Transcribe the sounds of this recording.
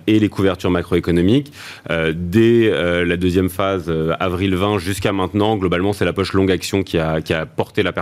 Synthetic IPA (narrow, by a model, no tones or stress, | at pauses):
elekuvɛʁt̪yʁmakχoekɔnɔmik | ød̪ɛølad̪øzjɛmfazøa̰vʁilvɛ̃ʒyskamɛ̃t̪nɑ̃ɡlɔbalmɑ̃sɛlapɔʃlɔ̃ɡaksjɔ̃kʲʰiakʲiapɔʁt̪elapɛ